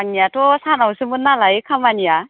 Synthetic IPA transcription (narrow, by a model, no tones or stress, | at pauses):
aŋnijatɔsanawsɯmɯnːalaikʰamanija